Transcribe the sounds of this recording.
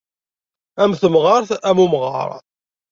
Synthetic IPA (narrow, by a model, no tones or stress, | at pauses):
æmθəmʁɑɾθæmumʁɑ̰ɾˤ